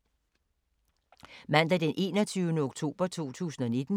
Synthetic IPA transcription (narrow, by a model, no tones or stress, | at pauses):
mæn̰d̥ɛd̥enʔe̝̰ːnɒt͡sʰyʊnəoɡ̥t͡sʰo̝̰ːb̥ɐt͡sʰo̝̰ːt͡sʰṵːsn̩ɒne̝d̥n̩